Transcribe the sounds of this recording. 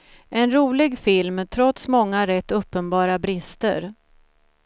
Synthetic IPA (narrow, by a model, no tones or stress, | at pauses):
ʔɛnɾuːlɪɡfɪlmt̪ʰɾɔt̪smɔŋːaɾɛt̪ːɵpːənbɑːɾabɾɪst̪ə̰ɾ